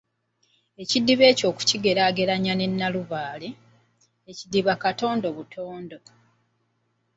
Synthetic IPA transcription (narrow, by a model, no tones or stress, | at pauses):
ecidːiβe̞ːco̞ːku̥ciɡe̞ɾaːɡe̞ɾaɲane̞nːaluβaːle | ecidːiβakato̞ːndo̞βutʰo̞ːndo̞